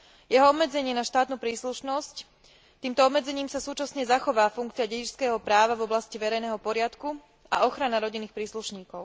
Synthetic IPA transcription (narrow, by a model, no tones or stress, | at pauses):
jɛɦɔɔbmɛd͡zɛɲɪɛnaʃt̪aːt̪nupɾiːsluʃnɔsc | t̪iːmt̪ɔɔbmɛd͡zɛɲiːmsasuːt͡ʃasɲɛzaxɔʋaːfuŋk̚t͡siɪaɟɛɟit͡ʃskɛːɦɔpɾaːʋavɔblasciʋɛɾɛjnɛɦɔpɔɾɪat̪ku | a̰ɔxɾanaɾɔɟinːiːxpɾiːsluʃɲiːkɔʊ